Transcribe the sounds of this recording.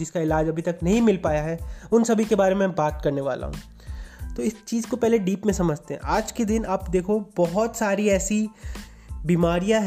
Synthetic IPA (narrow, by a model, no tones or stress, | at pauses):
d͡ʒɪskaɪlaːd͡ʒɐbʱit̪ɐknɐɦĩmɪlpaːjaɦɛʊnsɐbʱikebaːɾemẽbaːt̪kɐɾneʋa̰ːla̰ɦṵ̃ː | t̪oːɪst͡ʃiːzkopɛɦleɖiːpmẽsɐməd͡ʒt̪eɦɛ̰̃ʔaːd͡ʒked̪ɪnaːpd̪eːkʰobɔɦɔt̪saːɾiɛːsi | biːmaːɾijaɦ